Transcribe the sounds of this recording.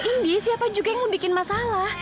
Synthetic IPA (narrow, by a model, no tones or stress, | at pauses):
ʔindisɪapad͡ʒuɡaŋmobikɪnmasalah